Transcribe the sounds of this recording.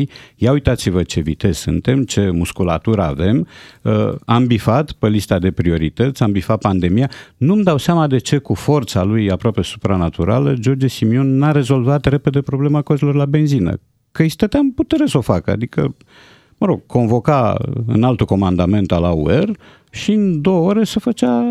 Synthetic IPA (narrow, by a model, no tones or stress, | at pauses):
jjaujt̪at̪sivət͡ʃe̞vit̪e̞z̥sɨ̰nt̪e̞mt͡ʃe̞muskula̰t̪uɾa̰ve̞məambifat̪pelist̪ad̪e̞pɾio̞ɾit̪ət̪sʲambifat̪̚pand̪e̞mijanumd̪awseamad̪e̞t͡ʃe̞kufo̞rt̪salujapɾoape̞su̥pɾanat̪uɾa̰ləd͡ʒo̞rd͡ʒesimio̞nːaɾe̞zo̞lvat̪re̞pe̞d̪e̞pɾo̞ble̞makozelo̞rlabe̞nzinə̰ | kəisi̥t̪ət̪eamput̪e̞ɾesəo̞fakəa̰d̪ikə̰ | məɾo̞ɡ̥̚kʰo̞nvo̞kaɨ̰nalt̪uko̞mand̪ame̞nt̪alaṵer | ʃiɨnd̪o̞wəoɾe̞sefət͡ʃa